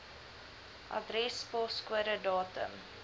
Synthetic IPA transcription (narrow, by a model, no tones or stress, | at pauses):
ʔɑ̰dɾɛspɔskuəɾədɑːtə̰m